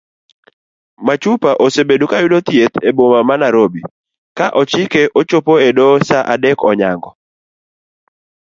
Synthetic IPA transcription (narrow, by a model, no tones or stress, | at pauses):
mat͡ʃupaʔosebedukajʊdot̪jet̪ebomamanaɾobi | kaʔɔt͡ʃɪkeʔot͡ʃopoedɔsaʔadekɔɲaŋɡɔ